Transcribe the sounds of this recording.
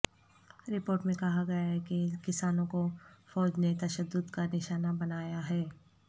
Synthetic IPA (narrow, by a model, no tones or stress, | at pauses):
ɾɪpoːɾʈmẽkɐɦaɡɐjaɦɛkekɪsaːnõkofɔːd͡ʒnet̪ɐʃəd̪ːʊd̪kanɪʃaːnabɐnaːjaɦɛː